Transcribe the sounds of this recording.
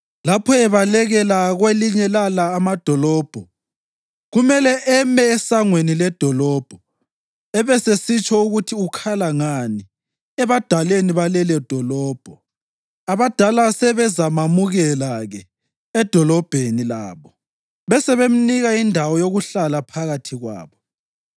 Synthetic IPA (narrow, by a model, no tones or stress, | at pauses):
lapʰɔɛβalɛɣɛlaɣweliɲɛlalaːmad̥ʱɔlɔːb̥ʱɔ | ɣumɛlɛʔɛmɛːsaŋwenilɛd̥ʱɔlɔb̥ʱɔ | ɛβɛsesit͡ʃʼɔuɣutʰiukʰalaŋani | ɛβad̥ʱaleniβalɛlɛd̥ʱɔlɔːb̥ʱɔ | aβad̥ʱalasɛβɛzamamuɣɛlaɣɛ | ɛd̥ʱɔlɔb̥ʱenila̰ːβɔ | βɛsɛβem̩niɣaindʱawɔjoɣuɬalapʰaɣatʰiɣwa̰ːβɔ